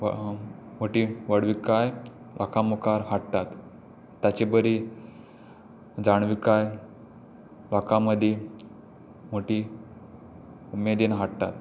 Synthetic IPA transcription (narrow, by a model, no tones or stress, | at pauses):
moʈiʋəɽʋikaj | ʋʔa̰kamukaɾɦaʈt̪at̪ː | jat͡ɕebəɾi | d͡zaɳ̃ʋikaj | ʋakãməd̪ʱe | moʈi | umed̪inɦaʈt̪a̰t̪